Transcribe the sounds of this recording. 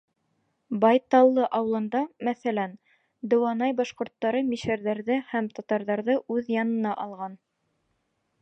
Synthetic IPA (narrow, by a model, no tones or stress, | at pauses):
bɑjt̪ɑlˠːɤʔɑw̆lˠɤ̆nd̪ɑmæθælæn | d̪ɵ̆wɑnɑjbɑʃqŏɾt̪ːɑɾɤmiʃæɾðæɾðɘhæmt̪ɑt̪ɑɾðɑɾðɤʔʉðjɑnɤ̆nɑʔɑlˠʁɑn